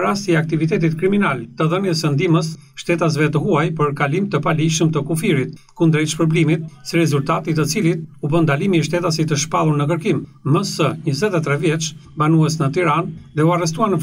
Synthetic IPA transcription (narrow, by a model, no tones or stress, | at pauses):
ɾast̪iɛakt̪ivit̪ɛt̪it̪kɾiminalt̪əðənjəsənd̪iməs | ʃt̪ɛt̪as̬vɛt̪əɦuajpəɾkalimt̪əpaliʃəmt̪əkufiɾit̪̚ | kund̪ɾit͡ʃpɾɔblimit̪̚siɾɛzult̪at̪it̪ət͡silit̪̚ubənd̪alimiɛʃt̪ɛt̪asit̪əʃpalˠuɾnəkəɾkimː | əsəɲəzɛt̪ɛt̪ɾɛvjɛt͡ʃ | banuɛsnət̪iɾanðɛuarɛs̬t̪uanə